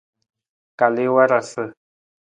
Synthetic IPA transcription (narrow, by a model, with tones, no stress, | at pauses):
ka˨lɪ˦wa˦ɾa˨sɨ˨